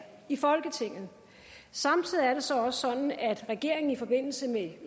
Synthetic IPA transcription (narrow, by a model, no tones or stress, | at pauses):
ifɒ̽lɡ̥ət͡sʰe̝ŋ̰ð̩ˠ | sɑ̈mt͡sʰið̞̰iæɐɾe̝sɒ̽ɒ̽səsɒ̽nn̩æd̥ʁɛɡ̥e̝ɐ̰e̝ŋn̩ifɒ̽b̥e̝n̰l̩səme